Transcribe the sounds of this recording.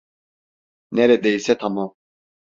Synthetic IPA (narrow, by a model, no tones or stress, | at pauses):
nɛɾɛd̪ɛjisɛt̪ʰama